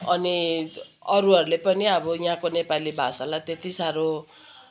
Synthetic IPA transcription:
ʌni | ʌɾuʌɾulepʌniʌbʌjɦãkonepalibʱasalat̪et̪isaɾo

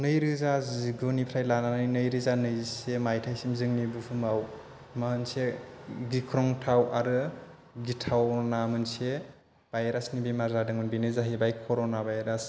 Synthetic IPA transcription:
nɯjɾɯzaziɡunipʰɾajlananjnɯjɾɯzanɯjisemajtʰajsimzɯŋnibɯpʰumaw | maɯnseɡikʰɾɔŋtʰawʔaɾɯ | ɡitʰawnamɯnse | b̥ajɾasnibimaɾzadɯŋɯnbinɯzaɦibajkʰɔɾonabajɾas

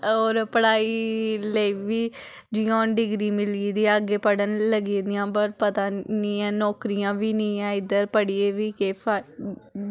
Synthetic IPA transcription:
oːɾpəɽaːiːləiːʋiː | d͡ʒɪjãːɖɪɡɾiːmɪlid̪iːəɡeːpəɽənləɡiːd̪ɪjãːbəɾpət̪aːniːɛ̃ːnɔːkɾijãːʋiːnĩːɛ̃ːɪd̪əɾpəɽijeːʋiːkeːpʰaː

